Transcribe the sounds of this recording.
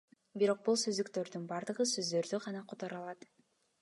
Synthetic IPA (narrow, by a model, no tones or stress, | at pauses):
biɾo̞q̚bulˠsøzd̪ykt̪ø̞ɾd̪ynbɑɾd̪ɯʁɯsøzd̪ø̞ɾd̪yʁɑnɑqʰot̪oɾɑlˠɑt̪